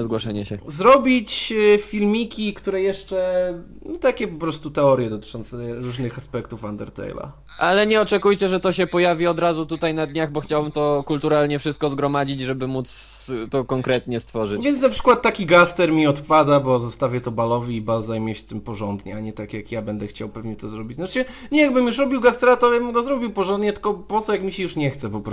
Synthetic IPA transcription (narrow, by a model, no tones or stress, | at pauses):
zɡwɔʂaɲɛɕɛzɾɔbʲit͡ɕfʲilmʲikʲikt̪uɾɛjɛʂt͡ʂɛ | nɔt̪akʲɛpɔpɾɔst̪ut̪ɛɔɾjɛd̪ɔt̪ɘ̥t͡ʂɔnt̪sɛɾuʐnɘxaspɛkt̪ufand̪ɛɾt̪ɛ̰jla̰ | ʔalɛɲɛɔt͡ʂɛkujt͡ɕɛʐɛt̪ɔɕɛpɔjavʲiɔd̪ɾazut̪ut̪ajnad̪ɲaɣbɔxt͡ɕawbɘmt̪ɔkult̪uɾalɲɛfʂɘst̪̚kɔzɡɾɔmad͡ʑid͡ʑʐɛbɘmut̪s | t̪ɔkɔŋkɾɛt̪ɲɛst̪fɔʐɨvʲjɛnt̪napʂɘ̥kwat̪ːakʲiɡast̪ɛɾmʲiɔt̪pad̪abɔzɔst̪avʲjɛt̪ɔbalɔvʲiːbalzajmʲjɛɕt̪ɘmpɔʐɔnd̪ɲɛ̰aɲɛt̪akjakjabɛnd̪ɛxt͡ɕawpɛvɲɛt̪ɔzɾɔbʲit͡ɕnat͡ʂɘ | ɲɛjaɡ̚bɘmjuʂɾɔbʲiwɡast̪ɛɾat̪ɔjabɘmɡɔzɾɔbʲiwpɔʐɔnd̪ɲɛt̪ɘ̥kɔpɔt̪sɔjakmʲiɕɛjuʂɲɛxt̪sɛpɔpɾɔ